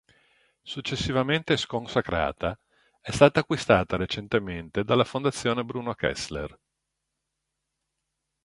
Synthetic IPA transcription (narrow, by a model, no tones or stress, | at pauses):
sut͡ʃːesːivament̪eskonsakɾa̰ːt̪a | ɛst̪aːt̪aːkːwist̪aːt̪aɾet͡ʃent̪ement̪ed̪alːafond̪at̪sːjoːnebɾuːnokɛ̰slḛr